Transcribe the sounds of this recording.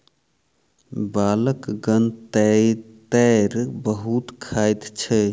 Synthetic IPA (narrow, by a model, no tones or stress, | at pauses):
baləkɡənt̪ɛt̪ɛɾbəɦut̪kʰajt̪t͡ʃʰɛ